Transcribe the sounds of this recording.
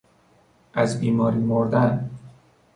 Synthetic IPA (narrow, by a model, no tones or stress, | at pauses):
ʔæzbiːmɒːɾiːmoɾd̪æn